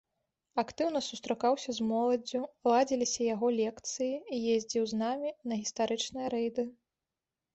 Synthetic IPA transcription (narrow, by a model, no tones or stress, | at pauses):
akt̪ɨwnɐsust̪ɾakawsʲɐzmɔlˠɐd͡zʲulˠad͡zʲilʲisʲɐjaɣɔlʲɛkt̪sɨjiːjezʲd͡zʲiwznamʲinɐɣʲist̪aɾɨt͡ʂnɨjɐɾɛjd̪ɨ